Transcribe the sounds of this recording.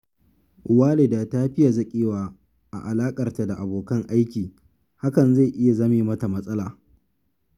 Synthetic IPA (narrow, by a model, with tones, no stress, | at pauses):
ʔʊ˨waː˦le˨daː˨taː˦ɸɪ˦ja˨zɐ˦kʲʼeː˦waː˨ | ʔa̰˨ʔa˨laː˦kʼɐ˨rta˨da˨ʔa˨boː˨kɐ˦ŋʔa˦jkʲiː˨ | ha˦kɐ˨nza˦˨ʔɪ˦ja˨zɐ˦meː˨mɐ˦ta˨mɐ˦sʼɐ˦laː˨